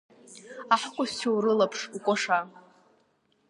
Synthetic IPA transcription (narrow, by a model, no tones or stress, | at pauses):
aħkʷʼʊst͡ʃʰowɾɨlapʰʂukʷʼoʂa